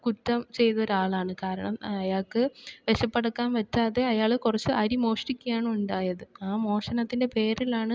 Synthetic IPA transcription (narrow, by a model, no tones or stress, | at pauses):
kutːɐmt͡ɕe̞jt̪ɐoɾaːɭaːɳɨkaːɾɐɳɐmɐjaːɭkɨʋeɕɐpːeɽɐkːaːnʋɐt͡ɕːaːðe̞ɐjaːɭkurɐt͡ɕːɨɐɾimo̞ːʂʈikʲːujaːɳuɳɖaːjɐðɨaːmo̞ːʂɐnɐt̪ːinde̞pe̞ːɾilaːɳɨ